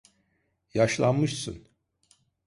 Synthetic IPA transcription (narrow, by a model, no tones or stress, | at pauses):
jaʃlˠanmɯʃsɯ̰n